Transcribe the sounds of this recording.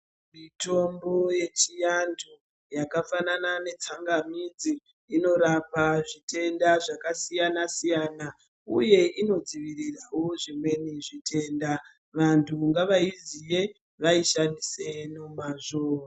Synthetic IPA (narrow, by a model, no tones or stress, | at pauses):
mito̞mbo̞je̞t͡ʃijandʰu | jakafananane̞t͡saŋɡamid͡ziː | no̞ɾapaʐite̞ndaʐakasijanasijaːna | ṵje̞ʔino̞d͡ziʋirirawo̞ʐimwe̞niʐitʰe̞ːnda | ʋantʰuŋɡaʋaizije̞ | ʋaiʃandise̞nomaʐoːra